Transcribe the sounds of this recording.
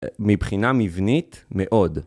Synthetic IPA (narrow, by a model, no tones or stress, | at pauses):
mibχinamivnit̪meʔo̞d